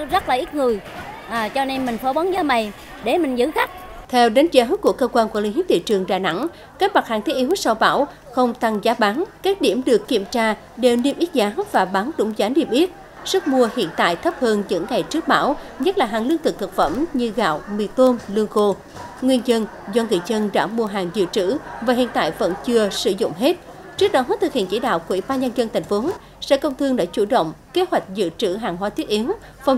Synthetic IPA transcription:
zə˦˥t̚laː˨˩ʔi˦˥t̚ŋɨ˨˩əjʔaː˨˩t͡ɕɔ˧ne˧nmï˨˩ŋ̟fo˨˦ɓə˨˦nzəː˨˦ma˨˩j | ɗe˧˩mï˨˩ŋ̟zɨ̰˧˥xa˦˥k̚ | t̪ʰɛ˧wɗa˨˦nt͡ɕə˨˦ku˧˩əkəː˧kwaː˧nku˧˩əlḭ˧˥˦ɦi˦˥p̚t̪ḭ˧˨t͡ɕɨ˨˩əŋɗaː˨˩na̰˧˥ŋ | kaː˦˥ma˨˩t̚ha̰ː˧˩ŋt̪e˨˦ʔi˨˦wi˦˥k̚sa˧wɓa̰ː˧˩w | xə˧wŋ͡mt̪a˨˩ŋzaː˨˦ɓaː˨˦ŋkaː˦˥k̚ɗi˧˩əmɗɨ˨˩əkːi˧˩əmt͡ɕaː˧ | ɗe˨˩wni˧əmʔi˦˥t̚zaː˨˦vaː˨˩ɓaː˨˦nɗʊ̰˧˥ŋ͡mzaː˨˦ni˧əmʔi˦˥ət̚ | sə˦˥t̚mu˧əhḭ˧˨ənt̪a̰ː˧˨jt̪ʰə˦˥p̚həː˧nzɨ̰˧˥ŋːa˨˩jt͡ɕɨ˦˥ək̚ɓaː˧˩˥wɲə˦˥t̚laː˨˩ɦaː˨˩ŋlɨ˧ət̪ʰɨ˨˩k̚t̪ʰə˨˩k̚fə˧˩mɲɨ˧ɣa̰ː˧˨wmḭ˧˨t̪o˧nlɨ˧əŋɣo˧ | ŋwi˧ənzə˧n | zɔ˧ŋɨ̰˧˨jzə˧nɗa̰ː˧˥mu˧əɦaː˨˩ŋzɨ̰˧˨t͡ɕɨ̰˧˥vaː˨˩ɦḭ˧˨ənt̪a̰ː˧˨jvə̰˧˥nt͡ɕɨ˧əsɨ̰˧zʊ̰˧˨ŋ͡mɦe˦˥t̚ | t͡ɕɨ˦˥ək̚ɗɔ˨˦t̪ʰɨ˨˩k̚hḭ˧˨ənt͡ɕi˧˦ɗa̰ː˧˨wkwḭ˧˩ɓaː˧ɲə˧nzə˧nt̪ʰɛ˨˩jŋ̟fo˨˦ | sɛ̰˧˥kə˧wŋ͡mt̪ʰɨ˧əŋɗa̰ː˧˥t͡ɕu˧˩ɗə̰˧˨wŋ͡mke˨˦hwa˨˩jk̟̚zɨ̰˧˨t͡ɕɨ̰˧˩ɦaː˨˩ŋɦwaː˨˦t̪i˦˥ət̚ʔi˨˦əw | fə˧wŋ͡m

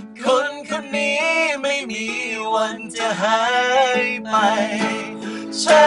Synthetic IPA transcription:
kʰo˧˥nkʰɯ˧nːiː˦˥ma˥˩jmiː˧wa˧nt͡ɕa˧˩ɦa˧˦jpa˧jj | t͡ɕʰa˧˥

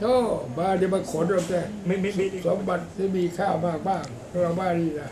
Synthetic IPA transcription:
tɔː˥˩baː˥˩ni˧˩ma˧˩kʰo˨˦nɔ˧pt̪ɛː˧˩ | so˨˦mba˨˩t̪̚t̪iː˥˩miː˧kʰaː˥˩maː˥˩k̚baː˥˩ŋpʰɔ˧ɾa˧wbaː˧˩˨niː˧˩la˧˩

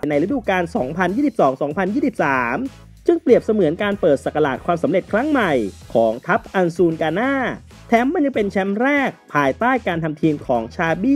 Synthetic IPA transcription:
jna˧jɾa˦˥duː˨˩kaː˧nsɔː˩˦ŋpʰa˧njiː˥˩i˨˩p̚sɔː˩˦ŋsɔː˩˦ŋpʰa˧njiː˥˩si˨˩p̚saː˩˦m | t͡ɕɯ˧ŋpli˨˩əp̚sa˧mɯ˩˦nkaː˧npɤː˨˩t̪̚sa˨˩kːa˧la̰ː˨˩t̪̚kʰwaː˧msa˩˦mɾe˨˩t̪̚kʰɾa˦˥ŋma˨˩jkʰɔː˩˦ŋt̪ʰa˦˥p̚ʔa˧nsuː˧nkaː˧naː˥˩ | t̪ʰɛː˦˥mːa˧nja˧ŋpe˧nt͡ɕʰɛ˦˥mɾɛː˥˩k̚pʰaː˧jt̪aː˥˩jkaː˧nt̪ʰa˧mt̪ʰiː˧mkʰɔː˩˦ŋt͡ɕʰaː˧biː˥˩

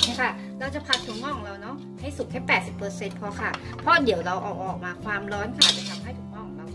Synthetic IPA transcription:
kʰa˥˩ | ɾa˧wt͡ɕa˨˩pʰa˧t̪ʰːu˨˩˦ŋmɔː˥˩kʰɔ˨ŋ˧ɾa˧wnɔ˦˥ | ha˥˩jsu˨˩k̚ʰɛː˥pːɛː˨˩t̪̚si˨˩pːɤː˧se˧npʰɔ˧kʰa˦˥˩ | pʰɔ˦˥di˩˦wɾa˧wʔɔː˨˩k̚ʔɔː˨˩k̚maː˧kʰwaː˧mɾɔː˦˥nkʰa˦˥˩d̪i˨˦tʰa˧mha˥˩jt̪ʰuː˧˩˦mɔː˥˩kʰɔ˨˩˦ŋɾa˧w

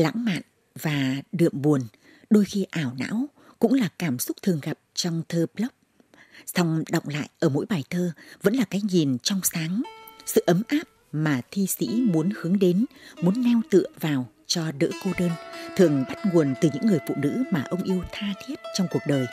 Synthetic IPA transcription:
la̰˧˥ŋma̰ː˧˨n | vaː˨˩ɗɨ̰˧˨əmɓu˨˩ən | ɗo˧jxi˧ʔaː˧˩wna̰ː˧˥w | kʊ̰˧˥ŋ͡mlaː˨˩kaː˧˩msʊ˦˥k͡p̚t̪ʰɨ˨˩əŋɣa˨˩p̚t͡ɕɔ˧wŋ͡mt̪ʰəː˧plə˦˥k͡p̚ | sɔ˧wŋ͡mɗɔ̰˧˨wŋ͡mla̰ː˧˨jʔəː˧˩mo̰˧˥jɓaː˨˩jt̪ʰəː˧və̰˧˥nlaː˨˩kaː˨˦jɲi˨˩nt͡ɕɔ˧wŋ͡msaː˨˦ŋsɨ̰˧˨ʔə˨˦mʔaː˦˥p̚maː˨˩t̪ʰi˧sḭ˧˥mu˨˦ənhɨ˨˦əŋɗe˨˦nmu˨˦ənːɛ˧wt̪ɨ̰˧˨əvaː˨˩w | t͡ɕɔ˧ɗɨ̰ː˧˥ko˧ɗəː˧nt̪ʰɨ˨˩əŋɓa˦˥t̚ŋu˨˩ənt̪ɨ˨˩ɲɨ̰˧˥ŋːɨ˨˩əjfṵ˧˨nɨ̰˧˥maː˨˩ʔə˧wŋ͡mʔi˧əwt̪ʰaː˧t̪ʰi˦˥ət̚t͡ɕɔ˧wŋ͡mku˨˩ək̚ɗəː˨˩j

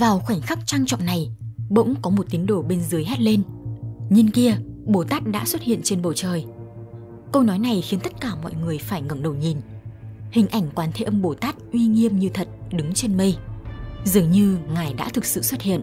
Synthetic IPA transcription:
vaː˨˩wxwa˧˩jŋ̟xa˦˥k̚t͡ɕa˧ŋt͡ɕɔ̰˧˨ŋ͡mna˨˩jɓə̰˧˥wŋ͡mkɔ˨˦mo˨˩t̚t̪i˨˦nɗo˧˩ɓe˧nzɨ˨˦əjɦɛ˦˥t̚le˧nɲi˧nki˧əɓo˧˩t̪aː˦˥t̚ɗa̰ː˧˥swə˦˥t̚hḭ˧˨ənt͡ɕe˧nɓə˨˧˩wt͡ɕəː˨˩j | kə˧wnɔ˨˦jna˨˩jxi˨˦nt̪ə˦˥t̚kaː˧˩mɔ̰˧˨jŋɨ˨˩əjfaː˧˩jŋə˧˩mɗə˨˧˩wɲi˨˩nhï˨˩ŋ̟ʔa˧˩jŋ̟kwaː˨˦nt̪ʰe˨˧˦ʔə˧mɓo˧˩t̪aː˦˥t̚ʔwi˧ŋi˧əmɲɨ˧t̪ʰə˨˩t̚ɗɨ˨˦ŋt͡ɕe˧nmə˧j | zɨ˨˩əŋɲɨ˧ŋaː˨˩jɗa̰ː˧˥t̪ʰɨ˨˩k̚sɨ̰˧˨swə˦˥t̚hḭ˧˨ən

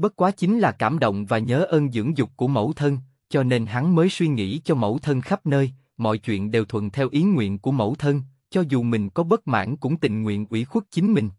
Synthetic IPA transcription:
ɓə˦˥t̚kwaː˨˦t͡ɕï˨˦ŋ̟laː˨˩kaː˧˩mɗo̰˧˨wŋ͡mvaː˨˩ɲəː˨˦ʔəː˧nzɨ̰˧˥əŋzʊ˨˩k͡p̚ku˧˩əmə̰˧˥wt̪ʰə˧n | t͡ɕɔ˧ne˧nɦa˨˦ŋməː˨˦jswi˧ŋḭ˧˥t͡ɕɔ˧mə̰˧˩wt̪ʰə˧nxa˦˥p̚nəː˧j | mɔ̰˧˨jt͡ɕwḭ˧˨ənɗe˨˩wt̪ʰwə̰˧˨nt̪ʰɛ˧wʔi˨˦ŋwḭ˧˨ənku˧˩əmə̰˧˥˩wt̪ʰə˧n | t͡ɕɔ˧zu˨˩mï˨˩ŋ̟kɔ˨˦ɓə˦˥t̚ma̰ː˧˥nkʊ̰˧˥ŋ͡mt̪ï˨ŋ̟ŋwḭ˧˨ənʔwḭ˧˩xwu˦˥k̚t͡ɕï˨˦ŋ̟mï˨˩ŋ̟

